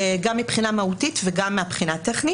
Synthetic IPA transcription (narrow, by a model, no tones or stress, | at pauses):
ɡamːipχinamautitveɡamːeapχinateχni